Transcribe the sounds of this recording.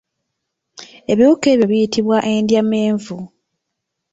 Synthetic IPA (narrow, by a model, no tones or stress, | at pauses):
e̞βiuke̞ːβjoβijitʰiβwaʔe̞ndjame̞ːɱvu